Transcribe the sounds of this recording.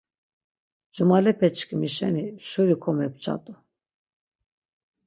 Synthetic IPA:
d͡ʒumalɛpʰɛt͡ʃkʰimiʃɛniʃuɾikʰɔmɛp̚t͡ʃʰʼa̰t̪ʼu

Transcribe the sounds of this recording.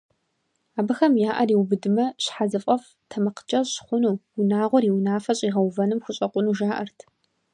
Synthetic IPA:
aːbɨxɐmjaːʔɐriːwbɨdɨmɐɕħazɨfʼɐf | tʰɐmɐqə̥d͡ʒɐɕχʷʊnuːwʊnaːʁʷʊɾiːwnaːfɐɕʼiːʁɐwvɐnɨmxʊɕʼɐqʷʼʊnuːʒaːʔɐ̰rtʰ

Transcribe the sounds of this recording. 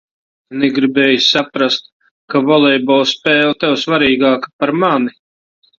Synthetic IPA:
nɛɡɾibɛːjsapɾast̪̚ | kavɔlˠɛjbɔwspɛːlt̪ɛwsvaɾiːɡaːkḁpaɾmani

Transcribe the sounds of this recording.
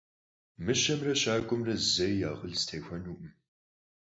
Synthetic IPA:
mɨɕɐmrɐɕaːkʷʼʊmrɐzɐjjaːʁəɮstʰeːxʷɐnuːʔʊm

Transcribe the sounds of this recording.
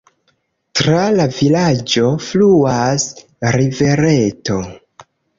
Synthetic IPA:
tɾalavilad͡ʒo̞fluas | ɾive̞ɾeto̞

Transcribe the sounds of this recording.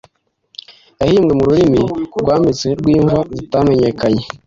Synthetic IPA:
jahiːmɡemuɾuɾimiɡwaːmbit͡seɾɡwiːɱvazitame̞ɲe̞kaɲe̞

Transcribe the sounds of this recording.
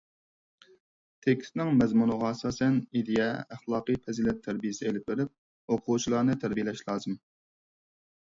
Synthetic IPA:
t̪ʰekʲʰst̪nɪŋmɛzmunɨʁɑɛsɑːsɛnid̪ejɛæχlˠɑːqɨpʰɛzilɛt̪ʰːæɾbijɪsɪelɪp̚beɾɪp̚ | oqʰut͡ʃʰilˠɑnɨt̪ʰæɾbijelɛʃlˠɑːzɨm

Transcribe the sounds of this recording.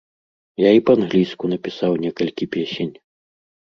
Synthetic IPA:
jaipɐanɣlʲijskunɐpʲisawnʲɛkɐlʲkʲipʲɛsʲenʲ

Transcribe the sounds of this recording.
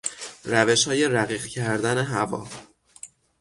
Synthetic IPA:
ræve̞ʃhɒːje̞ɾæɣiːɢcʰæɾd̪æne̞ɦævɒ̰ː

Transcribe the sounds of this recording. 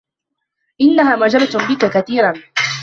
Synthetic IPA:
ʔɪnːaɦaːmad͡ʒɑbt̪bɪkakaθiːɾan

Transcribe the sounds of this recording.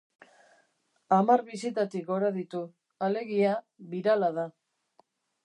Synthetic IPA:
amaɾβisit̪at̪ikɡoɾaðit̪u | ale̞ɣia | βiɾalaða

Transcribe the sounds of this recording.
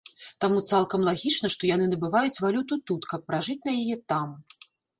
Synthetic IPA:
t̪amut̪salˠkɐmlˠaɣʲit͡ʂn̪ɐʂt̪ɔjanɨnɐbɨvajut͡sʲvalʲut̪ut̪ut̪kɐpːɾaʐɨt͡sʲnɐjajɛt̪am

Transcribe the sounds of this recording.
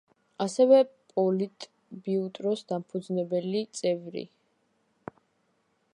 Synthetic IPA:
asɛvɛpʼɔlit̪ʼ | biut̪ʼɾɔsd̪ampʰud̪znɛbɛlit̪sʼɛvɾḭ

